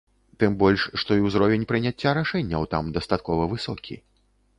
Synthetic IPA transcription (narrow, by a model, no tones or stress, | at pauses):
t̪ɨmbɔlʲʂʂt̪ɔiwzɾɔvʲenʲpɾɨnʲat͡sʲːaɾaʂɛnʲːɐwt̪a̰md̪ɐst̪at̪̚kɔvɐvɨsɔkʲʰḭ